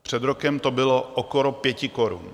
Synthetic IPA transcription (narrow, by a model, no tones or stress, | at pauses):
pr̝̥ɛd̪ɾokɛmt̪obɪlo̞ʔokoɾopjɛcɪko̞ɾṵn